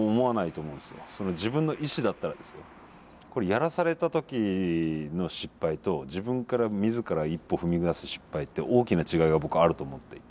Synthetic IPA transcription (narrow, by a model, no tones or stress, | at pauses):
omo̞anait̪o̞ːmõ̞ːnsɨjo̞̰so̞no̞d͡ʑibɯ̟̃nːoʔiɕid̪at̪ːaɾad̪e̞sɨjo | ko̞ɾe̞jaɾasaɾe̞t̪at̪o̞kʲi | no̞ɕipːait̪o̞d͡ʑibɯ̟̃ŋkaɾamʲizɨkaɾaipːo̞ɸɯ̟mʲiɡɯ̟d̪asɨ̥ɕi̥pːait̪ːe̞ʔo̞ːkʲinat͡ɕiɡaiɡabo̞kɯ̟aɾɯ̟t̪o̞ːmot̪ːei